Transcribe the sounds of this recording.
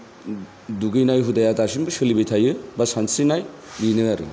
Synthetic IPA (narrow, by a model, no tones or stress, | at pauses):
duɡɯjnajɦudajatasinbɯsɯlibetʰajɯbasansijnaj | binɯaɾɯ̰